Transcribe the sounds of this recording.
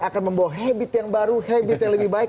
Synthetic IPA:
akanməmbawaɦabɪt̪jaŋbaɾuhabɪt̪jaŋləbɪhbaɪk

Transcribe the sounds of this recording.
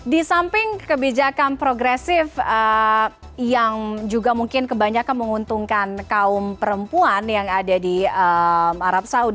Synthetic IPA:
disampɪŋkəbid͡ʒakanpɾoɡɾɛsɪfə | jaŋd͡ʒuɡamuŋkɪnkəbaɲakanməŋunt̪uŋkankaʊmpəɾəmpuanjaŋadadiəmaɾap̚saud

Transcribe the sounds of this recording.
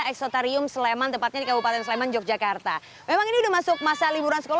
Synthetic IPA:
ɛksɔt̪aɾiʊmsəlemant̪əmpat̪̚ɲadikabupat̪ɛnsəlemand͡ʒɔk̚d͡ʒakart̪a | memaŋiniudahmasʊk̚masalibuɾansə̥kol

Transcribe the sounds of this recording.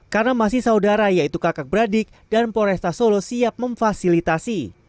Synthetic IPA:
karənamasɪhsaudaɾajait̪ukakak̚bəɾadɪk̚danpoɾɛst̪asolosiap̚məɱfasilit̪asi

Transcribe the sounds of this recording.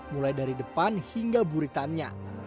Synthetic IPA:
mulajdaɾidəpanhiŋɡabuɾit̪anɲa̰

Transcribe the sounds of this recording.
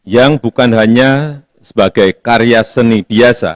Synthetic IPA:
jaŋbukanɦaɲa | sə̥baɡajkaɾijasənibiasa̰

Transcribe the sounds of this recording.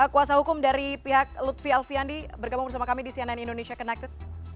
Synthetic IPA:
əkuasahukʊmdaɾipiɦak̚lut̪fialfiandibərɡabʊŋbərs̬amakamidisiananindonesiakənak̚t̪ɪt̪

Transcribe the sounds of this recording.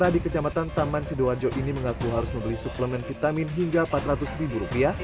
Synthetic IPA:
ɾahdikət͡ʃamat̪ant̪amansəduad͡ʒoʔiniməŋakuɦaɾʊsmə̃mbəlisupləmɛnfit̪aminɦiŋɡapat̪ɾat̪ʊsəɾibuɾupia

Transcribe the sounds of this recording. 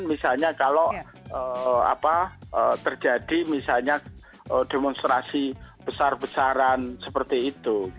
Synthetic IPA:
nmisalɲakalo | əa̰paʔət̪ərd͡ʒadimisalɲa | ədemɔnst̪ɾasib̥əsarbəsaɾansəpərt̪iːt̪u

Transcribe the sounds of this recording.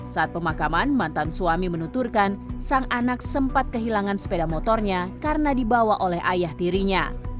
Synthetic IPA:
saat̪̚pəmakamanmant̪ansuamimənut̪urkansaŋʔanak̚səmpat̪̚kəɦilaŋansə̥pedamot̪ɔrɲakarnadibawaʔolɛɦajaht̪iɾiɲa̰

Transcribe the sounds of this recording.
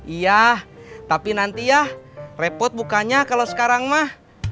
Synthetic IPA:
ijaht̪apinant̪ijahrepɔt̪̚bukaɲakalosə̥kaɾaŋmah

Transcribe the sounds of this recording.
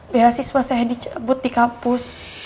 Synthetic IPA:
beɦasiswasaɦɛdit͡ʃabʊt̪̚dikampʊs

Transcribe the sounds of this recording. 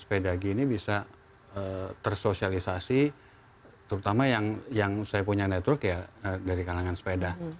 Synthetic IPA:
spedaɡinibisa | ət̪ərsosialisasi | t̪əɾut̪amajaŋjaŋsajapuɲanɛt̪wɔrkjaədaɾikalaŋansə̥peda

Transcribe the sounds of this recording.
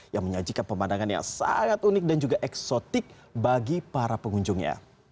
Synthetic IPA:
jaŋməɲad͡ʒikanpəmandaŋanja̰ŋsa̰ŋat̪unɪk̚dand͡ʒuɡaʔɛksot̪ɪk̚ | baɡipaɾapəŋuɲd͡ʒʊŋɲa̰

